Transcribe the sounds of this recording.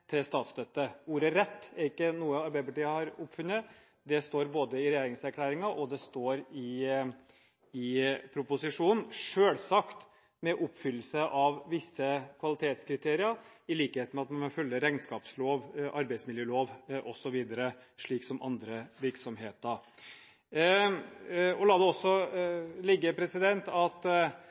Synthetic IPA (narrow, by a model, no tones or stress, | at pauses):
t̪ʰɪlst̪ɑːt̪st̪œt̪ːəuːɾəɾɛt̪ːæɾɪkːənuːəɑɾbæɪəpɑʈiːəhɑɾʊpfʉnːə | d̪ɛst̪oːɾboːd̪əɪɾɛjeːɾɪŋsæɾkʰlæːɾɪŋɑʔɔd̪ɛst̪oːɾɪ | ɪpʰɾʊpʊsɪʂuːnn̩ʂøːlsɑkt̪ | mɛʔʊpːfʏlːəsəʔɑʋʋɪsːəkʰʋɑlɪt̪ʰeːt̪skɾɪt̪ʰeːɾɪəɾɪliːkəheːt̪mɛɑt̪mɛnɑfœlːəɾæɪnskɑːpsloːʋʔɑɾbæɪsmɪljøːloːʋʔɔsɔʋiːd̪əɾəʂɭiːksɔmʔɑ̰nd̪ɾəʋɪɾksɔmɦeːt̪əɾ | ɔlɑːd̪ɛɔsːɔlɪɡːəpʰɾɛsɪd̪ɛnt̪ɑt̪